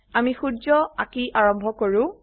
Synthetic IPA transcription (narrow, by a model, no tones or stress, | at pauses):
amixudzɔakiʔaɹɔmbʱɔkoɹʊ̃